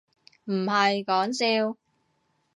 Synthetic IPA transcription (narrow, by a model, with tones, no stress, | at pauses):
m̩˨˩hɐ˨jkɔː˨˥ŋsiː˧w